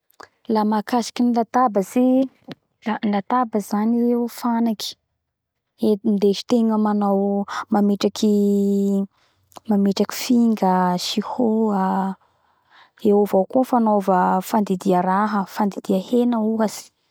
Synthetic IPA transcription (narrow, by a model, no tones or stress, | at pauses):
lamakasi̥kinilat̪abəze | alat̪abəzaniewfanaki̥ | end̪eʃi̥t̪eŋəmanawmamiʈ͡ʂakʰi | mameʈ͡ʂaki̥fiŋɡəʃihoa | ewovawkofanovəfand̪id̪iəɾaɦəfand̪id̪iahenəuɦaz̥i̥